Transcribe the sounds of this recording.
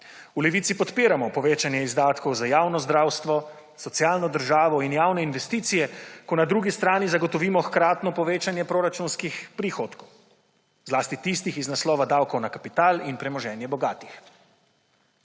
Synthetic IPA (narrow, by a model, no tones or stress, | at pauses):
ulɛʋiːt̪sipɔt̪peːɾamɔpɔʋeːt͡ʃanjɛizd̪aːt̪kɔwzajaːwnɔzd̪ɾaːwst̪ʋɔ | sɔt̪sjaːlnɔd̪əɾʒaːʋɔinjaːwnɛinʋɛst̪iːt̪sijɛkɔnad̪ɾuːɡist̪ɾaːnizaɡɔt̪ɔʋiːmɔxkɾaːt̪nɔpɔʋeːt͡ʃanjɛpɾoːɾat͡ʃunskixpɾixoːt̪kɔw | zlaːst̪it̪iːst̪ixiznaslɔːʋad̪aːwkɔwnakapit̪aːlinpɾɛmɔʒɛːnjɛbɔɡaːt̪i̥x